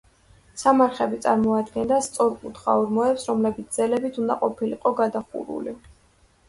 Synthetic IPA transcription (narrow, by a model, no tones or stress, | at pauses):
samaɾχɛbit̪sʼaɾmɔad̪ɡɛnd̪ast̪sʼɔɾkʼut̪ʰχa̰uɾmɔɛpsɾɔmlɛbit̪s̚ʰd̪z̥ɛlɛbit̪ʰund̪a̰qʼɔpʰilḭqʼɔɡad̪aχṵɾṵli